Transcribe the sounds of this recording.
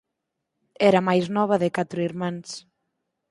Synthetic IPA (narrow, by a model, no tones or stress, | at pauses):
ɛɾɐmajznɔβ̞ɐðɪkat̪ɾʊiɾmãns